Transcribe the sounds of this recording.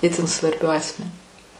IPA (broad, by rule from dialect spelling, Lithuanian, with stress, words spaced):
ˈɪtʲɪn sʋɐrʲˈbʲʊ ˈɑːsʲmʲɛnʲʊ